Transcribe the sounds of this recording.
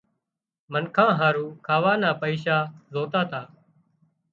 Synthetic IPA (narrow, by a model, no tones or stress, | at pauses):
mənkʰãːɦaːɾuːkʰaːʋaːnaːpəiːʃaːzoːt̪aːt̪ʰaː